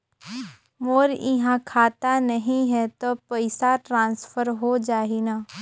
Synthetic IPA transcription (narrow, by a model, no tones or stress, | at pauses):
moːɾɪɦãkʰaːt̪anɐɦĩɦɛt̪opəɪsaʈɾãːnsfʰəɾɦod͡ʒaːɦinaː